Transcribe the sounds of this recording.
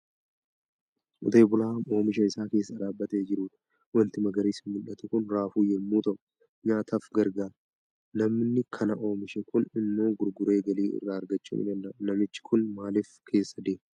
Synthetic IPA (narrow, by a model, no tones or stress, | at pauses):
ʔʊ̰t̪e̞ːbʊlaːmo̞ːmɪʃɐɪsaːke̞ːsːɐd̪aːbːɐt̪eːd͡ʒɪɾuːd̪ɐ | wɐnt̪ɪmɐɡɐɾiːsɪːʊlːɐt̪ɛkʊnɾaːfuːjɛmːuːt̪ɐʔʊ | ɲaːt̪ʰɐfɡɐɾɡaːɾ | nɐmnɪkʰɐnɐʔo̞ːmɪʃɛkʊnɪmːo̞ːɡʊɾɡʊɾe̞ːɡɐliːɪ̰rːaːɐɾɡɐt͡ʃːṵːnɪ̰nɐlːɐnɐmɪt͡ʃːɪ̥kʰʊnmaːlɪfkʰe̞ːsːɐd̪eːm